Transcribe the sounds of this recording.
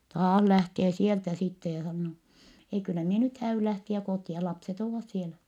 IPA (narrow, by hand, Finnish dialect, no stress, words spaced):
tɑːh læhteː sieltæ sitːe jɑ sɑnːoː ei kylːæ mie nyt hæːyl læhtiæ koˑtiɑ lɑpset oːʋɑs sielæ